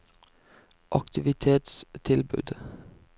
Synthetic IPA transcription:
ʔɑkt̪ɪʋɪt̪ʰeːt̪st̪ʰɪlbʉ̰ːd̪

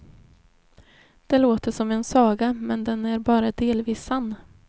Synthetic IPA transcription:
d̪̥ɛloːt̪əʂɔmɛnsɑːɡamɛnd̪ɛnæɾbɑːɾad̪eːlviːsanː

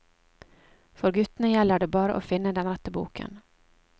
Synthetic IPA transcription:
fɔɾɡʉt̪n̩əjɛlːəɖeːbɑːɾəʔo̰ːfɪnːəd̪ɛnɾɛt̪əbṵːkə̰n

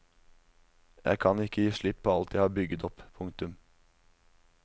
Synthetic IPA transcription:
jʔæ̰ɪkʰɑnɪkːəjiːʂɭɪpʰːoːɑlt̪jæɪhɑːɾbʏɡət̪ɔppʰʊŋt̪ʉm

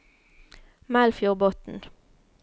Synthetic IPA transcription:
mælfjuʁbɔt̪n̩

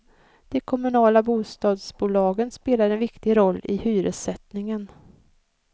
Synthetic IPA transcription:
d̪̥ɛkʰɔmɵnɑːlabuːst̪ɑːd̪sbuːlɑːɡənspeːlaɾɛnvɪkt̪ɪɾɔlːɪhyːɾəsɛt̪nɪŋən

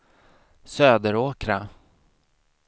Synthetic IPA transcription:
søːd̪əɾoːkɾa

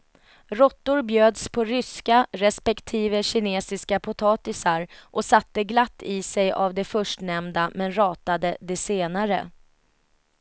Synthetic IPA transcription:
ɾɔt̪ːʊɾbjøːd̪spʰɔɾʏskaɾɛspɛkt̪ʰiːvəɕɪneːsɪskapʰʊt̪ʰɑːt̪ɪsaɾʔɔsat̪ːəɡlat̪ːɪsɛjʔavd̪ɛfœʂʈnɛmd̪amɛnɾɑːt̪ad̪əd̪ɛseːnaɾə̰

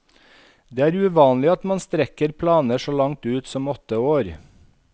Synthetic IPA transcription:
d̪eːæːɾʉʋɑːnlɪɑt̪mɑnst̪ɾɛkəɾpʰlɑːnəʃoːlɑŋt̪ʉːt̪sɔmɔt̪ːəoːɾ

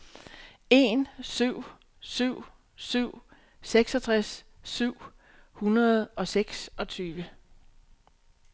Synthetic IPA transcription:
e̝nsyʊ̰ | syʊ̰ | syʊ̰ | seɡ̥sɒ̽t͡sʰʁasː | yʊ̰ | hunɐð̞̩ˠɒ̽seɡ̥sɒ̽t͡sʰyːʋə

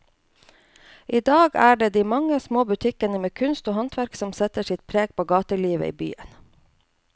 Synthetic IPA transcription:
ʔiːd̪ɑːɡæːɖeːd̪iːmɑŋəsmoːbʉt̪ʰɪkənəmeːkʰʉnst̪oːhɑnt̪ʋæɾksɔmsɛt̪əʃɪt̪̚pʰɾeːɡ̚pʰoːɡɑːt̪əɭiːʋə̰ʔḭːby̰ːə̰n

